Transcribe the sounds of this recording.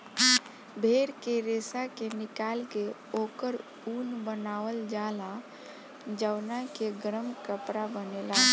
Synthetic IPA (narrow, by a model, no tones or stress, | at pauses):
bʱeːɾkeɾeːsakenɪkaːlkeoːkəɾ | uːnbənaːwəld͡ʒaːla | d͡ʒəwnakeɡəɾəmkəpɾabənela